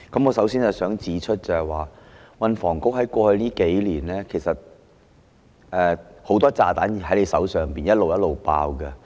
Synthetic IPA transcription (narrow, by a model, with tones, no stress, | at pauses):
kɐ˨˦mŋɔː˨˧sɐ˨˥wsiː˥nɐ˨˩sœː˨˥ŋt͡siː˨˥t͡ʃʰɵ˥t̚t͡sɐ˨ɐ˨˩jwaː˨wɐ˨˧nfɔː˨˩ŋkʊ˥k̚hɐ˨˥jkʷɔː˧hɵ˧niː˥ke˨˥jliː˨˩nlɛː˥kʰe˨˩jsɐ˨t̚ | ʔɛː˧ho˨˥wt̪ɔː˥t͡saː˧t̪aː˨˥n˨hɐ˨˥jle˨˧jsɐ̰˨˥wsœː˨˩ŋpiː˨njɐ˥t̚lo˨wjɐ˥t̚lo˨wpa̰ː˧wkɐ˧